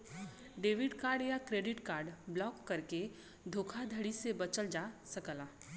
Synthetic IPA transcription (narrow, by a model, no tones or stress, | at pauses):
ɖeːʋɪɖkaːɾɖjakɾeːɖɪʈkaːɾɖblɔːkːɐɾke | d̪ʱoːkʰad̪ʱəɽisebɐt͡ʃəld͡ʒaːsɐkəlaː